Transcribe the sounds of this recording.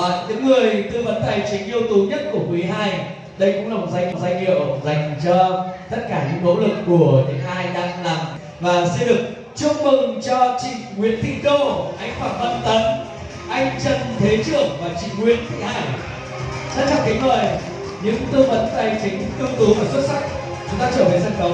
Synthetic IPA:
ɲɨ̰˧˥ŋːɨ˨˩əjt̪ɨ˧və˨˦nt̪a˨˩jt͡ɕï˨˦ŋ̟ʔi˧əwt̪u˨˦ɲə˦˥t̚ku˧˩əkwi˨˦ɦaː˧j | ɗə˧jkʊ̰˧˥ŋ͡mla˨˩˨tzaː˧ji˧˨˩zaː˧ŋ̟ḭ˧˨əwza˨˩jŋ̟t͡ɕɔ˧t̪ə˦˥t̚kaː˧˩ɲɨ̰˧˥ŋmo̰˧˥wlɨ˨˩kːu˧˩əɲɨ̰˧˥ŋhaː˧jɗa̰ː˧˨ŋla˨˩ŋ | vaː˨˩sɛ˧nɗɨ˨˩ə˩k̚ | t͡ɕʊ˧ŋ͡m̚mɨ˨˩ŋt͡ɕɔ˧t͡ɕḭ̈˧˨ŋŋwḭ˧˥ənt̪ʰḭ˧˨kə˧ʔa˧jŋ̟faː˧˩nvə˧˩nt̪ə˨˦n | ʔa˧jŋ̟t͡ɕə˧˩nt̪ʰe˨˦t͡ɕɨ˧˩əŋvaː˨˩t͡ɕḭ˧˨ŋŋwḭ˧˨ənt̪ʰḭ˧˨haː˧˨˩j | sa˧˥n̚t͡ɕa˧˩ki˨˦ŋ̟məː˨˩j | ɲɨ̰˧˥ŋt̪ɨ˧əvə˨˦nt̪aː˧˨˩jt͡ɕï˨˦ŋ̟t̪ɨ˧wŋ͡mt̪u˨˦vaː˨˩swt̚sa˦˥jk̟̚ | t͡ɕʊ˨˦ŋ͡mt̪aː˧t͡ɕəː˧˩və˨˩sə˧nkə˨˦

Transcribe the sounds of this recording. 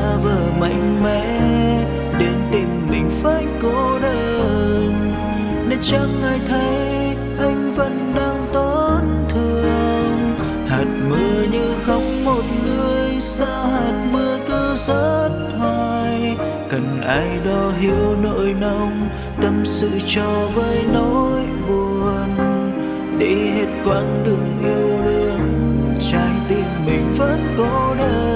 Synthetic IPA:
a˧vəː˨˩ma̰˧˥jŋ̟mɛ̰˧˥ | ɗe˨˦nt̪i˨˩ŋmï˨˩ŋ̟faː˧˩jkɔ˨˧˦ɗəː˧˩ŋ | ne˨˦t͡ɕa˧ŋʔaː˨˧˩jt̪ʰə˨˦j | ʔa˧jŋ̟və˧˨nɗaː˧ŋt̪ɔ˨˧˦n | t̪ʰɨ˨˧əəəəəŋ | haː˨˩t̚mɨ˧əɲɨ˧xə˧wŋ͡mmo˨˩t̚ŋɨ˧əjjsaː˧ɦaː˨˩t̚mɨ˧ək̪ɨ˧səː˧˦˥t̚ha˧j | kə˨˩nʔaː˧jɗɔ˧˦ɦi˧əwno̰˧˨jna˧wŋ͡m | t̪ə˧msɨ̰˧˨t͡ɕɔ˧˩vəː˨˦jno˧˥j | ɓu˨˩ə | n | ɗḛ˧˥he˦˥t̚kwaː˧˥nɗɨ˨˩əŋʔi˧əwɗɨ˧˩əŋ̚t͡ɕaː˧˩ŋt̪i˧˩ənmï˨˩ŋ̟və˦˥t̚kɔ˨˧˦ɗə˧

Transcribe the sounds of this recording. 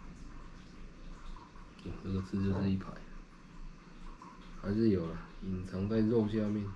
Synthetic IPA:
ʈ͡ʂɤ˥˩ɡə˨t͡sʰɹ̩˥˧t͡ɕjo˥˧ʊʂɻ̩˥˧i˥˩pʰa˨˦ɪ | xa˧˦ɪʂɻ̩˥˩jo˨˩ʊlə˦i˨˩nt͡sʰɑ˧˥ŋt͡sa˥˧ɪɻɔ˥˧ʊɕja˥˧mjɛ˥˨n

